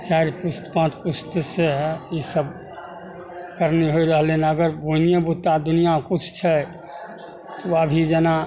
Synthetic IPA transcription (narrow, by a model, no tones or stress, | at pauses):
t͡ʃaɪɾpʊst̪pãːt̪ʰpʊst̪seɦɛisəb | kəɾniɦoiɾəɦlenaəɡəɾbunijabut̪ad̪ʊnijakʊt͡ʃʰt͡ʃʰɛ | t̪oəbʱid͡ʒɛna